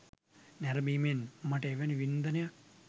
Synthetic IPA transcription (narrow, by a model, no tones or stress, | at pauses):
nɛɾɐmimenmɐʈɐeʋeniʋind̪ɐnɐja